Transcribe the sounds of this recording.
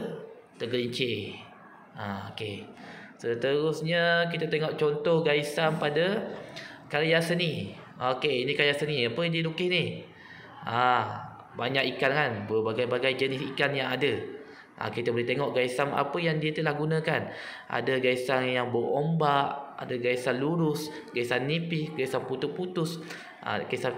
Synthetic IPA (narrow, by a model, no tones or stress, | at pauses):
t̪əɡəɲt͡ʃe | ʔaokesət̪əɾʊsɲək̬it̪at̪eŋɔʔt͡ʃɔnt̪ɔhɡaisampada | kajaʔsəni | okeinikajaʔsəniapədilukɪhni | a | baɲakikankanbəbaɡajbaɡajd͡ʒənɪsikanjaŋadə | ʔa̰kit̪abəlɛht̪eŋɔʔɡaisama̰pəjaŋdiət̪əlahɡunãkanʔa̰dəɡaisanjaŋbəʔombaʔa̰dəɡaisanluɾʊs | ɡaisanːipɪhɡaisanput̪ʊʔput̪ʊs | ʔa̰ɡaisa